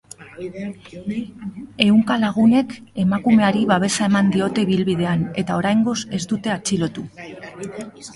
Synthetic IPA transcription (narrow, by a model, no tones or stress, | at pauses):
e̞uŋkalaɣ̞une̞ke̞makume̞aɾiβaβ̞e̞sae̞mand̪io̞t̪e̞iβilβið̞e̞ane̞t̪ao̞ɾajŋɡo̞se̞zd̪ut̪e̞at͡silo̞t̪u